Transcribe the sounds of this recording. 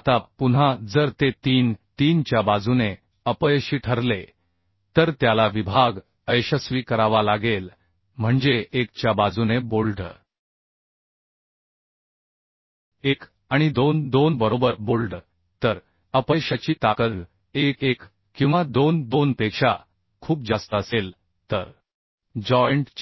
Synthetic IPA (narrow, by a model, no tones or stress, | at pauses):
t̪apun̤ad͡zəɾt̪et̪iːnt̪iːnt͡ɕjabad͡zune | əpəjɕiːʈʰəɾle | t̪əɾt̪jalaʋibʱaɡ | əjɕəsʋiːkəɾaʋalaɡel | m̤əɳd͡zeʔekt͡ɕjabad͡zunebolɖ | ek | aɽ̃id̪ond̪onbəɾobəɾbolɖ | t̪əɾ | əpəjɕat͡ɕiːt̪akəl | ekek | kĩw̃ʋad̪ond̪onpekʂa | kʰuːp̚d͡zast̪əəsel | t̪əɾ | d͡ʑɔjəɳʈt͡ɕ